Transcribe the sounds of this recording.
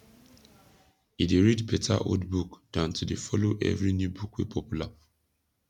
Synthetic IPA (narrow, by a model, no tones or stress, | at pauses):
ideɹidpetʰa̰ʔo̰dbukd̥ãʊ̃ntudefɔloʔɛ̰vɹinjubukwḛpʰɔpjula